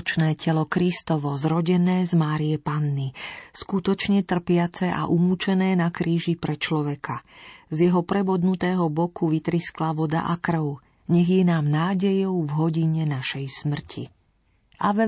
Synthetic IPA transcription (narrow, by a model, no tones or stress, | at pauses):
t͡ʃnɛːcɛlɔkɾist̪ɔʋɔzɾɔɟɛnɛːzmaːɾiɛpanːiskut̪ɔt͡ʃɲɛt̪r̩pɪat͡sɛʔa̰ʔumut͡ʃɛnɛːnakɾiːʒipɾɛt͡ʃlɔʋɛkʰazjɛɦɔpɾɛbɔd̪nut̪ɛːɦɔbɔkuʋit̪ɾisklaʋɔd̪a̰ʔakr̩ʊ | ɲɛɣjɛnaːmnaːɟɛjɔʊvɦɔɟiɲɛnaʃɛjsmr̩cʰi | ʔaʋɛ